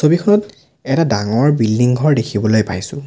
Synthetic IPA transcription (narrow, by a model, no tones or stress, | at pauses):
sobikʰɔnɔt | ɛtadaŋɔɹbildiŋɡʱɔɹdekʰibɔlojpajsʊ̃